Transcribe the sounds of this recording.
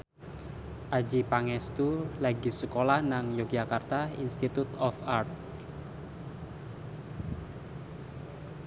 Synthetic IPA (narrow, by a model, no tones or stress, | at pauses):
ʔḁd͡ʒipaŋɛst̪ulaɡisəkolahnaŋjok̚d͡ʒakart̪aḭnst̪it̪ut̪ɔfart̪̚